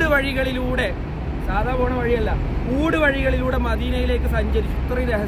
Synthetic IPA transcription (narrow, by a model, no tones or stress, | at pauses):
ɽɨʋɐɻiɣɐɭiluːɽe̞ | saːt̪ʰaːpoːɳɐmʋɐɻijɐlːɐuːɽɨʋɐɻiɣɐɭiluːɽe̞mɐðinɐjile̞ːk̬ːɨsɐɲd͡ʑɐɾit͡ɕːut̪ːrid̪eɦɐ